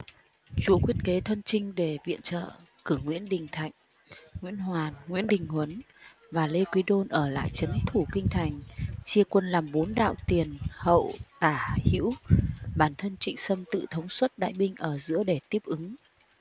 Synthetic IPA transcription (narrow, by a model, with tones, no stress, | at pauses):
t͡ɕu˨˦əkwi˦˥ət̚ke˨˦t̪ʰə˧nt͡ɕï˧ŋ̟ɗe˧˩vḭ˧˨ənt͡ɕə̰ː˧˨ | kɨ˧˩ŋwḭ˧˥ənɗï˨˩ŋ̟t̪ʰa̰˧˨jŋ̟ | ŋwḭ˧˥ənɦwaː˨˩nŋwḭ˧˥ənɗï˨˩ŋ̟hwə˨˦n | vaː˨˩le˧kwi˨˦ɗo˧nʔəː˧˩la̰ː˧˨jt͡ɕə˨˦nt̪ʰu˧˩kï˧ŋ̟t̪ʰa˨˩jŋ̟t͡ɕi˧əkwə˧nlaː˨˩mɓo˨˦nɗa̰ː˧˨wt̪i˨˩ənhə̰˧˨wt̪aː˧˩hḭ˧˥wɓaː˧˩nt̪ʰə˧nt͡ɕḭ˧˨ŋ̟sə˧mt̪ɨ̰˧˨t̪ʰə˨˦wŋ͡mswə˦˥t̚ɗa̰ː˧˨jɓï˧ŋ̟ʔəː˧˩zɨ̰˧˥əɗe˧˩t̪i˦˥əp̚ʔɨ˨˦ŋ